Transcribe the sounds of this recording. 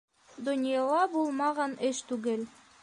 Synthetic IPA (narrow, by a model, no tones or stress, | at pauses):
d̪ŏnʲjɑlˠɑbulˠmɑʁɑnɘʃt̪ʉɡɘl